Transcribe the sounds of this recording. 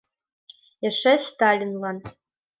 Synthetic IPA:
ɘ̆ʂɘst̪ɑlʲinlˠɑn

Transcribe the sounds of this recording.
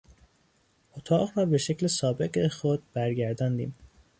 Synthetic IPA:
ot̪ʰɒːɢɾɒːbeʃeclesɒːbe̞ɢexod̪̚b̥æɾɟæɾd̪ɒːnd̪ḭːm

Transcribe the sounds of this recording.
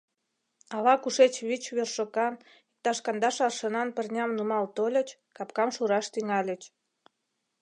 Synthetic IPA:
ɑlɑkuʃet͡ɕβit͡ɕβerʃokɑn | ik̚t̪ɑʃkɑnd̪ɑʃɑrʃənɑnpərnʲɑmnumɑlt̪olʲə̆t͡ɕ | kɑpkɑmʃuɾɑʃt̪yŋɑlʲət͡ɕ

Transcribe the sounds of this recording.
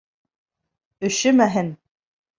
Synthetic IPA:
ɵ̆ʃɘmæɦɘn

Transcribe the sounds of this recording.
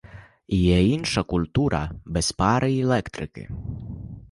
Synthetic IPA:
ijɛinʃɐkulʲt̪uɾʔɐ̰bɛspaɾɨilˠɛkt̪ɾɪkɪ̰

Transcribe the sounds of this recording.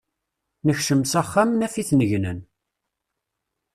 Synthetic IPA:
nəçʃəmsæχːamnæfiθnəʝnən

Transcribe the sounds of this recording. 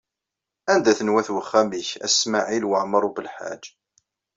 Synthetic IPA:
ænd̪æθənwæθwəχːæmiçæ̰smaʕilwəʕməɾˤubəlħa̰d͡ʒ

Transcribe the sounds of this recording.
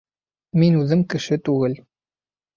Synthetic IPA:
minʉðɘmkɘ̆ʃɘt̪ʉɡɘl

